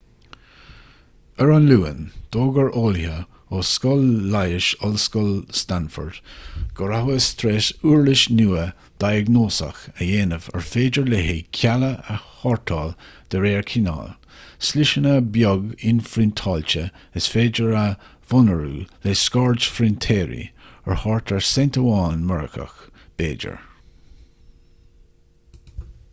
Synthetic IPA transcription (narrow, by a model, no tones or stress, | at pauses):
əɹɔnluːə̰nd̪̥oːɡəɹoːlhə | oskɔlːajɪʃɔlskɔlst̪anfə̰ɹd̪̥ɡ̥ɔɹahwəst̪ʰɾeːsuːɹlɪʃnuːə | d̪̥ajəɡnoːsə̰xəjeːnəvə̰ɹfeːd͡ʒəɹleɦekʰaləəhɔɹt̪ʰɑːld̪̥əɾeːɹkʰɪna̰ːl | slɪʃənəbjɔɡɪnfɾɪnt̪ʰɑːlt͡ʃə | əsfeːd͡ʒəɹa | vɔnəɹṵːleskɑɹd͡ʒfɾɪntʰɛːɹḭə̰ɹhɔɹt̪ʰəɹsɛntəwɑːnmɛɹə̰kʰə̰xb̥eːd͡ʒə̰ɹ